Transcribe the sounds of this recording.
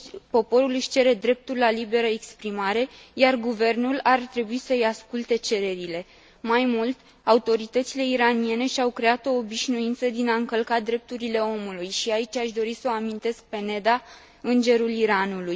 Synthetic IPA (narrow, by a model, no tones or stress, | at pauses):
po̞po̞ɾulɨʃʲt͡ʃe̞ɾe̞d̪ɾe̞p̚t̪urlalibe̞ɾəekspɾimaɾe̞jarɡuve̞rnulart̪ɾe̞buisəɨjaskult̪e̞t͡ʃe̞ɾe̞ɾile̞ | majmult̪ | aut̪o̞ɾit̪ət̪sile̞iɾanie̞ne̞ʃiawkɾe̞at̪o̞ːbiʃnuint̪səd̪inaɨŋkəlkat̪̚d̪ɾe̞p̚t̪uɾile̞o̞mulujʃiait͡ʃaʃd̪o̞ɾisəoamint̪e̞sk̚pe̞ne̞d̪a | ɨnd͡ʒe̞ɾuliɾanuluj